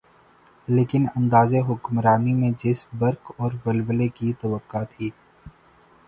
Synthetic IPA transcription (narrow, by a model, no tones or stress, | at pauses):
leːkɪnɐ̃nd̪aːzeɦʊkmɾaːnimẽd͡ʒɪsbɐɾkɔːɾʋɐlwəlekit̪ɐʋəkːat̪ʰiː